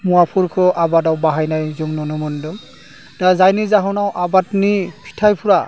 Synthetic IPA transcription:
muwapʰuɾkʰɯʔabadawbaɦajnajzɯŋnɔnɔmɯndɯŋ | d̥azajnizaɦɔnawʔabatnipʰi̥tʰajpʰuɾa

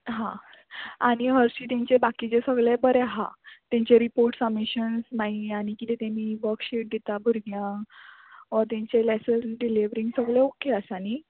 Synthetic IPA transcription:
ɦã | aɽ̃iɦəɾɕiːt̪ɛ̃ɲt͡ɕebakit͡ɕesəɡlɛbəɾɛɦa̰t̪ɛ̃ɲt͡ɕeɾipoɾʈsamiɕənsnaɦiaɽ̃ikit̪ɛt̪ẽniʋəɾkɕeʈ̚d̪et̪abʱuɾɡjã | ʋəɾt̪ɛ̃ɲt͡ɕelɛsəlɖiliʋɾiŋɡsəɡlɛokeəsañi

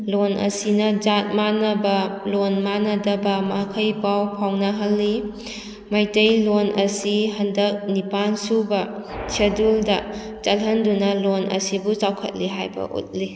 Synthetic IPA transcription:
lonʔɐ̰sinɐd͡ʒat̚manɐbɐlonmanɐdɐbɐmakʰɐjbawpʰawnɐɦɐlːi | majtɐjlonʔɐsiɦɐndɐk̚nipansubɐt͡ʃʰeduldɐ | t͡ʃɐlɦɐndunɐlonʔɐ̰sibut͡ʃawkʰɐ̰t̚liɦajbɐ̰ʔṵt̚li

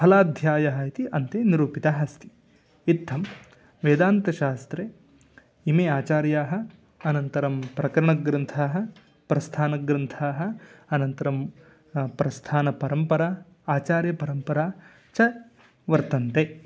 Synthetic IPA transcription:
pʰɐlaːd̪ʱjaːjɐɦɐit̪iʔɐnt̪eːniɾuːpit̪aɦɐst̪ʰi̥ | it̪ʰːɐm | ʋeːd̪aːnt̪ɐʃaːst̪ɾe | imeːaːt͡ʃaːɾjaːɦɐ̆ | ɐnɐnt̪ɐɾɐmpɾɐkɐɾɐɳɐɡɾɐnt̪ʰaːɦɐ̆ | pɾɐst̪ʰaːnɐɡɾɐnt̪ʰaːɦɐ̆ɐnɐnt̪ɐɾɐm | pɾɐst̪ʰaːnɐpɐɾɐmpɐɾaː | aːt͡ʃaːɾjɐpɐɾɐmpɐɾaː | t͡ʃɐ | ʋɐɾt̪ɐnt̪e

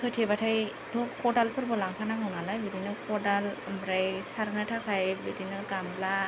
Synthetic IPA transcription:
kʰɯtʰebatʰaj | dʰɔkɔdalpʰɯɾbɯlaŋpʰanamɯnalajbidinɯkɔdalmbɾajsaɾnɯtʰakʰajbidinɯkamla

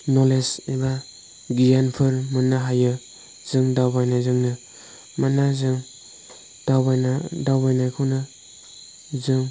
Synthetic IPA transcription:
nɔleseba | ɡijanpʰɯɾmɯnaɦajɯ | z̥ɯŋdawbajnazɯŋnɯ | manazɯŋ | d̥awbajnadawbajnajkʰɯwnɯ | zɯŋ

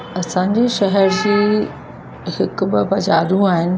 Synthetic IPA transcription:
ɐsãːɲd͡ʑiʃɐɦɛɾd͡ʑiː | hɪkbɪ̆bɐd͡ʑaːɾũaːɦɪnɪ̆

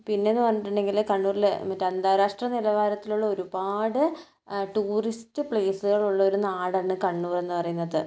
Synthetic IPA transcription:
pinːe̞nːɨpɐrɐɲːiʈ̬ːuɳɖe̞ŋɡilkɐɳːuːrilmɐtːeɐnd̪aːɾaːʂʈrɐnilɐʋaːɾɐt̪ːiluɭːɐo̞ɾubaːɽɨ | ʈuːristɨpɭe̞ːsɨɣɐɭuɭːɐoɾunaːɽɐɳːɨkɐɳːuːre̞nːɨpɐrɐjunːɐðɨ

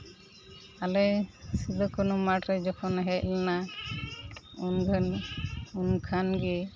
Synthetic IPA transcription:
alɛjsid̪ɔkɔnumaʈɾɛd͡ʒɔkʰɔnɦɛc̚lɛna | unɡənunkʰanɡɛ

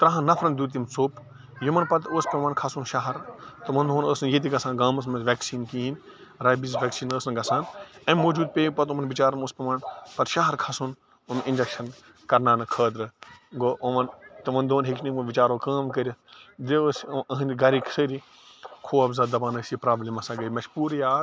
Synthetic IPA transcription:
t̪ɾaɦãnɐpʰɾɐnd̪uːt̪̬imt͡soːp | jumɐnpɐt̪oːsʲpʲemaːnkʰɐsunʃaɦɐɾt̪ɐmɐnd̪ʱoːnəːsnjet̪iɡɐsaːnɡaːmɐs̬mɐʋʲɛːksiːnkiinʲ | ɾaːbizʋʲeːksiːnəːsnɡɐsãːnɐ̃mmoːd͡ʒuːd̪̚peːɡ̚pɐt̪umɐnʋit͡ʃaːɾɐnoːspʲeʋaːnpɐt̪ʃaːɦɐɾkʰɐsun | umɪ̃nʲd͡ʒɐkʃɐn | kɐɾnaːnɨkʰəːd̪ɾɨɡoʔɐʋɐnt̪ɐmɐnd̪oːnɦekʰnimɐʋit͡ʃaːɾoːkaːmkəɾʲjɐd̪eoːsɐɦɐnʲiɡɐɾiːkʰi̥səːɾi | kʰoːɐbzɐːd̪ɐbaːnəːsipɾaːblʲiːmɐsãːɡɐmɐʃpuːɾjaː

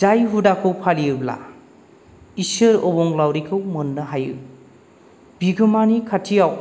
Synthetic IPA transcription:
d͡ʒajɦudakʰɯwpʰaliɯla̰ | isɯɾobɔŋlawɾikʰɯwmɯnːɯɦajɯ | b̥iɡɯmanikʰatʰijaw

